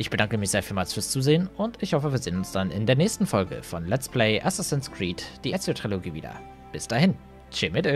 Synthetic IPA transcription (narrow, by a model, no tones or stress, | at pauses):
ʔɪçb̥ədaŋkəmɪçz̥eːɐfiːlmaːsfyːɐst͡suːzeːənʊntɪçhɔfəviːɐzeːnʊnsd̥anɪ̰ndeːɐnɛːçstn̩fɔlɡə̰fɔnlɛt͡spʰlɛɪʔasɪstɛnskʁiːtd̥iːʔɛsotʁ̥iloɡiːviːdɐ̰ | b̥ɪsd̥aːhɪn | t͡ʃemɪtə